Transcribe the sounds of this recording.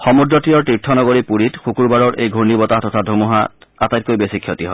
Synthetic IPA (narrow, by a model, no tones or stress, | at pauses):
xɔmudɹɔtijɔɹtitʰːɔnɔɡoɹipuɹitxukuɹbaɹɔɹʔejɡʱuɹnibɔtatɔtʰadʱumuɦa̰atajt̚kojbesikʰːjɔtiɦɔ